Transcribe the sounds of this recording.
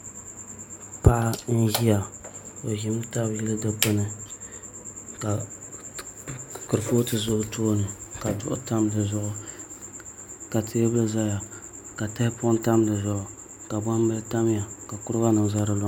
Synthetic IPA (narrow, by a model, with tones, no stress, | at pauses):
pa˦ʔa˦n̩˦ʒi˦a˨o˨ʒi˦m˦ta˦bji˦lɨ˦dɨ˦k͡pɨ˦nɨ˨ | ka˨ | kɨ˨ɾɨ˨foː˦tɨ˦zʊ˦htʰoː˦nɨ˨ka˨dʊ̰˦ʔʊ̰˦ta˦mdɨ˨zʊ˦˨ʔʊ˦ | ka˨tʰe˦bɨ˦lɨ˦za˦ja˨ | ka˨ta˦hɪ˦pʊ˦n˦ta˦mdɨ˨zʊ˨ʔʊ˨ | ka˨ba˦m˦bɨ˦lta˦m˦ja˨ka˨kʊ˦ɾɨ˦a˦nɨ˨za˦ɾɨ˦lo˦